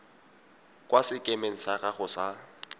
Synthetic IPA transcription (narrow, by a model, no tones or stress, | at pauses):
kʼwasɪkʼemeŋ̩saɣaɣʊsa